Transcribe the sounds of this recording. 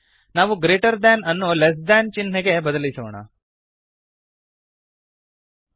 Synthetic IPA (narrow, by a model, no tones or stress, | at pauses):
naːʋuɡɾeːʈɐɾd̪anɐnːules̬d̪ant͡ʃinɦeɡe̞bɐd̪ɐlisoɳa̰